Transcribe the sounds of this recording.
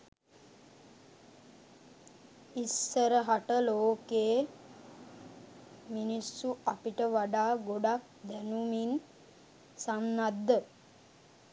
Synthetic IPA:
isːəɾəɦaʈəloːkeː | minisːuapiʈəʋaɖaːɡoɖak̚d̪ænumin | samnad̪ːə

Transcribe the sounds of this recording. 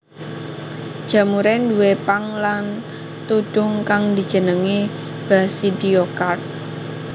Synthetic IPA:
d̥ʒ̥a̤muɾɛnd̪uwepaŋlan | t̪uɖ̥ʊŋkaŋd̪i̤̥d͡ʒ̥ə̤nəŋe | b̥asidiokat̪̚

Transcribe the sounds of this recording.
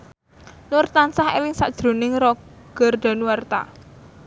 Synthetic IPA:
nʊrt̪ansahḛlɪŋsa̰ʔd̥ʒ̥ɾo̤nɪŋrɔɡ̥ə̤rd̪̥a̤nuwart̪a̰

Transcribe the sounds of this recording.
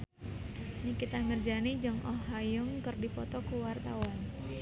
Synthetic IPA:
nikit̪aŋərd͡ʒanid͡ʒɨŋɔɦajʊŋkərdipɔt̪ɔkuwart̪awan

